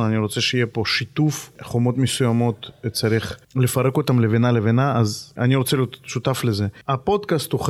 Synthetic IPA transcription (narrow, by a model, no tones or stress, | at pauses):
aniɾo̞t͡seʃeijepo̞ʃit̪ufχomo̞t̪mesujamo̞t̪t͡saɾiχlefaɾekot̪amlevenalevenaaza̰niɾot͡selijot̪ʃut̪aflezeapod̪kast̪uχ